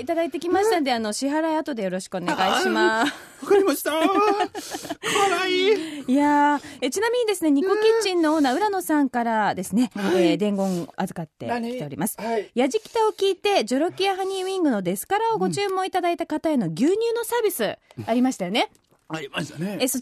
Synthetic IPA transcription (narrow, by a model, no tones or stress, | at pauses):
it̪ad̪ait̪e̞kʲimaɕi̥t̪anod̪e̞ano̞ɕiɦaɾaiat̪o̞d̪e̞jo̞ɾo̞ɕi̥kɯo̞neɡaiɕima | akaɾʲimaɕt̪a | kaɾaiijaet͡ɕinamʲiɲ̟id̪e̞sɨne̞ɲ̟ikokʲit͡ɕĩnːo̞onːaɯ̟ɾano̞sãŋkaɾad̪e̞sɨne̞d̪ẽ̞ŋɡõ̞ŋazɨkat̪ːe̞̰it̪e̞o̞ɾʲḭmasɨ̥jaʑikʲi̥t̪ao̞kʲiːt̪e̞d͡ʑo̞ɾo̞kʲijaɦaɲ̟ʲiĩŋɡɯ̟no̞d̪e̞sɨ̥kaɾao̞ɡo̞t͡ɕɨːmːo̞it̪ad̪ait̪akat̪aeno̞ɡʲɨːɲ̟ʲɨːno̞saːbʲisɨaɾʲimaɕit̪ajo̞ne̞ | eso